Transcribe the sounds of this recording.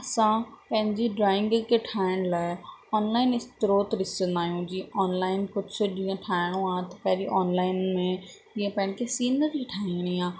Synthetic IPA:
ɐsãpɐ̃ɦɪ̃ɲd͡ʑiɖɾaːɪ̃ŋɡkeʈʰaːɪɽ̃laːɪɔːnlaːɪnɪst̪ɾoːt̪ɗɪsə̃nd̪aːɦijũd͡ʑĩʔɔːnlaːɪnkʊd͡ʑ̆ʰʱɗĩːẽʈʰaːɪɽ̃õaːt̪ɐpɐ̃ɦd͡ʑiʔɔːnlaːɪnmẽ | d͡ʒiẽpɐ̃ɦɪ̃nkʰesiːnəɾiʈʰaːiɽ̃iãː

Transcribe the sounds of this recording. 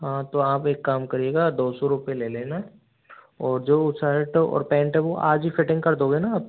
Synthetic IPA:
ɦãːt̪oaːpeːkːaːmkɐɾieːɡad̪oːsɔɾʊpeleːlẽːna | ɔːɾd͡ʒoːʊsaːɾɪʈɔ̰ːɾpɛ̃ːɳʈɦɛʋoʔa̰ːd͡ʒbifɪʈɪ̃ŋɡkɐɾd̪oːɡeːnaaːp̚

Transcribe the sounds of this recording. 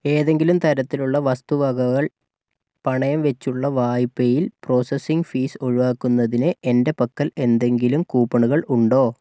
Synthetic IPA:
e̞ːðe̞ŋɡilumt̪ɐɾɐt̪ːiluɭːɐʋɐst̪uʋɐɡɐɣɐɭ | pɐɳɐjɐmʋet͡ɕːuɭːɐʋaːjipːejilpro̞ːsɐsiŋɡfiːso̞ɻuʋaːkːunːɐðinɨʔende̞pɐkːɐle̞nd̪e̞ŋɡilumkuːpːɐɳuɣɐɭuɳɖo̞ː

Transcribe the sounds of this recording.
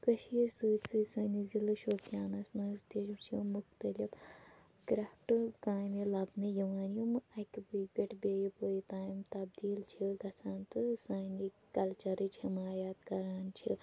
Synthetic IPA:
kɐʃiːɾsɨːt̪ʲsɨsɐnizilɨʃoːpjaːnɐsmɐnst̪iʃmt͡ʃʰjumukt̪ɐlʲib | kɾɐpʈɨkaːjmjilɐbnɨjɐʋaːnjumɨɐkʲbipʲɐʈbeːjipoːjit̪aːjimt̪ɐbd̪iːlt͡ʃʰiɡɐsaːnt̪ɨsɐːni | kɐlt͡ʃɐɾɨt͡ʃʰimaːjaːt̪kɐɾaːnt͡ʃʰḭ

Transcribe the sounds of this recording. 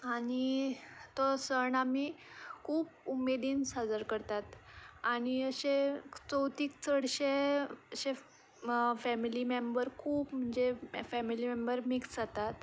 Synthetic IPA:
aɽ̃it̪ɔsəɳamikʰuːpumːed̪iːnsad͡zəɾkəɾt̪at̪aɽ̃iəɕet͡səwt̪iːk̚t͡səɽɕeəɕe | fæmilimembəɾkʰuːpm̤əɳd͡zefæmilimembəɾmiksd͡zat̪at̪

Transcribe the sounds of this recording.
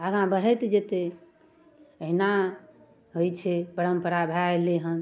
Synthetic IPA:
əɡãbəɾ̤ɛt̪d͡ʒet̪e | əɦina | ɦojt͡ʃʰɛbəɾəmpəɾabʱaeleɦən

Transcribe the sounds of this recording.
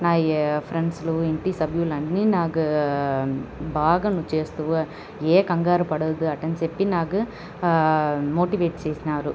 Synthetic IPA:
naːjpʰɾeɳɖsluiɳʈisɐbʱijulɐɳːinaːɡɯ | bʱaːɡɐnut͡ʃeːst̪uʋ | eːkɐŋɡaːɾɐpɐɽɐːd̪uɐʈɐnsepːinaːɡɯ | moːʈiʋeːʈt͡ʃeːsinaːɾu

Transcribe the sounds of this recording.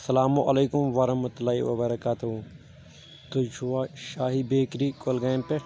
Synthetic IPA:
ɐsɐlaːmuʔɐleːkʊmʋɐɾɐmɐt̪ʊlaːḭʋɐ̰bɐɾɐkaːt̪uɦu | t̪ʊt͡ʃʰuaːʃaːɦibeːkɾikolɡaːmpe

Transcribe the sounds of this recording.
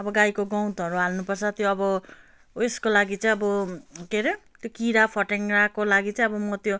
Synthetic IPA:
ʌbʌɡajkoɡʌw̃t̪ʌɾuɦalnupʌrt͡sʰʌt̪joʌbʌ | eskolaɡit͡saj̃ʌbʌkeɾet̪jokiɾapʰʌʈeŋrakolaɡit͡sãj̃ʌbʌmʌt̪jo

